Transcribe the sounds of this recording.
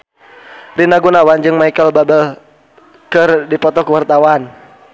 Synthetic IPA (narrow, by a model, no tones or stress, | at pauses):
rinaɡunawand͡ʒɨŋmaikəlbabəl | kərdipɔt̪ɔkəwart̪awan